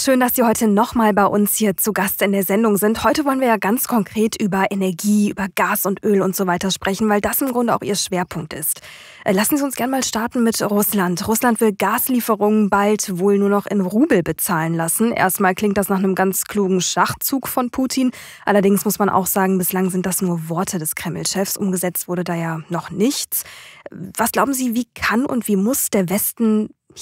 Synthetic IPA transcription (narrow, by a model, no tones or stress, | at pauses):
ʃøːndasz̥iːhɔʏtənɔχmaːlbaɪʔʊnshiːɐt͡suɡastɪndeːɐzɛndʊŋzɪnthɔʏtəvɔlənviːɐjaːɡant͡skʰɔŋkʁ̥eːtʔyːbɐʔenɛɐɡiːʔy̰ːbɐɡaːsʊntʔøːlʊntz̥oːvaɪtɐʃpʁ̥ɛçn̩vaɪldasɪmɡʁʊndəaʊxʔiːɐʃv̥eːɐpʰʊŋk̚tɪ̰st | ʔlasn̩ziʊnsɡ̥ɛɐnəmaːlʃtaɐtn̩mɪtʁʊslantʁʊslantv̥ɪlɡaːsliːfəʁʊŋənbaltvoːlnuːɐnɔχɪnʁuːbl̩bət͡saːlənlasn̩ʔḛːɐstmaːlklɪŋtd̥asnaːχnəmɡant͡skʰl̥uːɡŋ̩ʃaχt͡suːkfɔnpʰuːtʰiːn | ʔalɐdɪŋsmʊsmanʔa̰ʊxz̥aːɡŋ̩bɪslaŋzɪnt̚d̥asnuːɐvɔɐtʰədɛskʁ̥ɛml̩ʃɛfsʔʊ̰mɡəzɛt͡stv̥ʊɐɾədaːjaːnɔχnɪçt͡s | vasɡ̥laʊbm̩ziːviːkʰanʊ̰ntv̥iːmʊsd̥eːɐvɛstn̩